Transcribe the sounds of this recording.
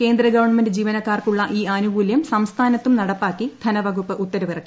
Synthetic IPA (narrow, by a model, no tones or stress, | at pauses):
ke̞ːnd̪rɐɡɐʋɐrɳmɐndɨd͡ʑiːʋɐnɐkːaːrkuɭːɐʔiːaːnuɡuːljɐmsɐmst̪ʰaːnɐt̪ːumnɐɽɐpːaːkːid̪ʱɐnɐʋɐɡupːɨʔut̪ːɐɾɐʋirɐkːi̥